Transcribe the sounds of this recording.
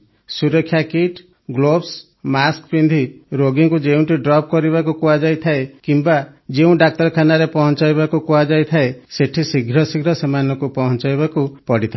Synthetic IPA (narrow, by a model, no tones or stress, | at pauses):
suɾɔkʰːjakiʈ | ɡlobs | maskpind̪ʱiɾoɡiŋkud͡ʒeũɳʈiɖɾɔp̚kɔɾibakukuad͡ʒajt̪ʰaekimbad͡ʒeũɖak̚ʈɔɾkʰanaɾepɔɦɔnt͡ʃajbakukuad͡ʒajt̪ʰaeseʈʰisiɡʱɾɔsiɡʱɾɔsemanɔkupɔɦɔnt͡ʃajbakupɔɽit̪ʰa